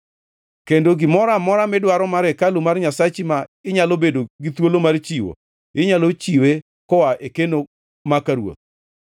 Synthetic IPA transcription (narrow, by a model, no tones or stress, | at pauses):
kendoɡɪmɔɾamɔɾamɛdwaɾɔmaɾɛkalumarɲasat͡ʃimaɪɲalobedoɡit̪wolomart͡ʃiwo̰ | ɪɲalot͡ʃiwe | kɔwaʔekeno | makaɾwo̰t̪̚